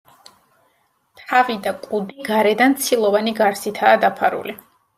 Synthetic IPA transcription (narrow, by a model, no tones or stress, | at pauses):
t̪ʰavid̪akʼud̪iɡaɾɛd̪ant̪sʰilˠɔvaniɡaɾsit̪ʰaːd̪apʰaɾṵli